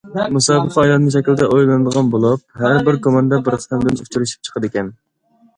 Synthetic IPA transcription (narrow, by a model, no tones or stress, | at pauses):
musɑːbəqɑjlˠɑnnɨŋʃ̬ɛkʲlɪd̪ɛʔojlˠɨnɨd̪əʁɑnbolˠup̚hæɾbɪɾkomɑnd̪ɛbɪɾqʰt̪ɛmd̪ɪnut͡ʃʰyɾyʃi̥p̚t͡ʃʰə̥qəd̪ɪkʲɛn